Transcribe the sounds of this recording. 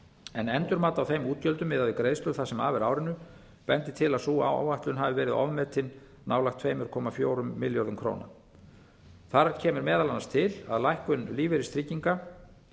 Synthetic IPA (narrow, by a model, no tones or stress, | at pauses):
ɛnɛnt̪ʏɾmaːt̪awθejmuːt̪̚cœlt̪ʏmːɪðaðvɪkɾejðst̪œɾθasɛma̰ːvɛɾaːwɾɪnːʏ | pɛnt̪ɪt̪ʰɪlaðsuːa̰wa̰wajht̪lʏnɦaːvɪvɛːɾɪðɔ̰vmɛt̪ʰɪn | nːaːwlaxt̪ʰveːjmʏɾkʰɔːmafjoːwɾʏmːɪljɔɾðʏmkʰɾo̰ːwna̰ | θaɾcʰɛːmɪɾmɛːðalanːast̪ʰɪla̰ðlajhkʏnliːvɪɾɪst̪ɾicːiŋka